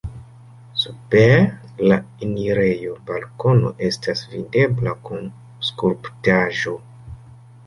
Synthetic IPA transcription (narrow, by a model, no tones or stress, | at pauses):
supeɾ | lainiɾe̞jo̞balko̞no̞̰ʔe̞stasvide̞blakun | skuɾptaʒo̞